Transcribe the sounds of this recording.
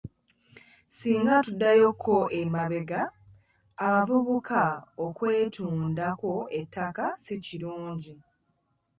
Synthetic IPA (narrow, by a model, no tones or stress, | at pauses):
siːŋɡatudːajo̞kʰːo̞ʔemaβe̞ɡaː | mavuβukʰaokwe̞ːtʰuːndako̞etʰːakasiciɾuːɲɟi